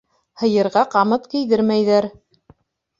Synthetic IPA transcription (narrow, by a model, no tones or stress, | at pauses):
hɤ̆jɤ̆ɾʁɑqɑmɤt̪kɘ̆jðɘɾmæjðæɾ